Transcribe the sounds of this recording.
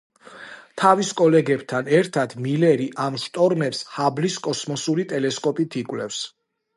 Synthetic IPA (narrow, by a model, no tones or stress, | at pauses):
t̪ʰaviskʼɔlɛɡɛb̥t̪ʰanɛɾt̪ʰad̪̥milɛɾiʔamʃt̪ʼɔɾmɛpshabliskʼɔsmɔsuɾit̪ʼɛlɛskʼɔpʼit̪ʰikʼwlɛfs